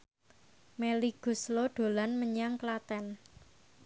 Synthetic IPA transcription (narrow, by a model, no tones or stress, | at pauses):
meliɡ̥ṳsloɖ̪̥o̤lanməɲaŋklat̪ɛn